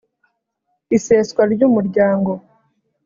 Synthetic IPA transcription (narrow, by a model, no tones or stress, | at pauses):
iseːskwaɾɟuːmuɾɟaːŋɡo̞